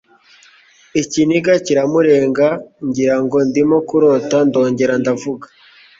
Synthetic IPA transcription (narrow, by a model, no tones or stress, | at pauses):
iciniɡaciɾamuɾe̞ːŋɡaɲɟiɾaŋɡo̞ndimokuɾotando̞ːɲɟe̞ɾandavuɡḁ